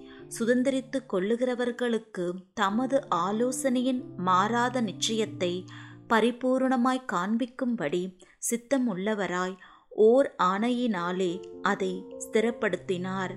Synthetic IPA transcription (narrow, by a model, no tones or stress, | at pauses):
sʊðɐnd̪ɪɾɪt̪ːɯkːɔɭːɯɣɪrɐʋɐɾɣɐɭɯkːɯt̪ɐmɐðɯʔaːloːsɐnɐjɪnmaːɾaːðɐnɪt͡ʃːɐjɐt̪ːɐɪpɐɾɪpuːɾɳɐmaːjkaːɳbɪkːɯmpɐɽisɪt̪ːɐmʊɭːɐʋɐɾaːj | ʔoːɾaːɳɐjɪnaːleːʔɐðɐɪst̪ɪɾɐpːɐɽɯt̪ːɪnaːɾ